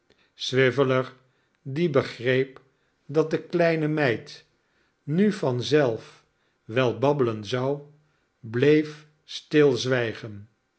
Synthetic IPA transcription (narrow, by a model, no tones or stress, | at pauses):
sʋɪvələɹ | dibəχrejp | dɑt̚dəklɛjnəmɛjt | nyvɑnzɛlˠf | ʋɛlˠbɑbələnzɑw | blejf | stɪlˠzʋɛjχən